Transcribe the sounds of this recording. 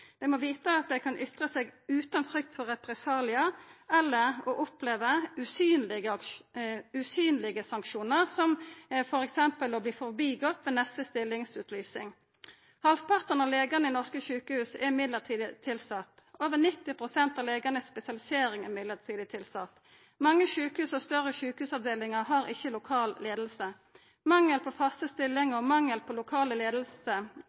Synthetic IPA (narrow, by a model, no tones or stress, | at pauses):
d̪̥ɛmɔʋiːt̪əɑt̪̚d̪ɛkʰɑnʔʏt̪ʁəseːɡʉːt̪ɑnfɾʏk̚t̪fɔʁɛpɾɛsɑːlɪɑɛlːəɾɔʔʊpleːʋəʉsyːnlɪɡə | ʉsyːnlɪɡəsɑŋkʃuːnəʁsɔmfɔɾɛksɛmpəlɔbliːfɔʁbiːɡɔt̪ːʋeːnɛst̪əst̪ɪlːɪŋsʉːt̪ʰlyːsɪ̰ŋ | hɑlfpʰɑʁt̪ənɑʋleːɡənəinɔʁskəçʉːkəhʉːsɛmɪd̪ləʁt̪ʰiːd̪ət̪ʰɪlsɑt̪oːʋənɪt̪ːɪpʰʁʊsɛnt̪ɑleːɡɑnəspɛsɪɑlɪseːɾɪŋɛʁmɪd̪ləʁt̪ʰiːd̪ət̪ʰɪlsɑt̪ː | mɑŋːəçʉːkəhʉːsɔst̪œʁəçʉːkəhʉːsɑʋd̪eːlɪŋəʁɦɑʁɪ̰çəlʊkʰɑːlleːd̪l̩sə | mɑŋːəlpʰɔfɑst̪əst̪ɪlːɪŋɔmɑŋːəlpʰɔlʊkʰɑːləleːd̪l̩sə